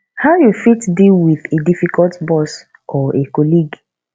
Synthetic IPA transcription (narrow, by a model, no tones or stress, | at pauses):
haʊjufitdilwiðedifikɔltbɔs | ʔɔʔekɔliɡ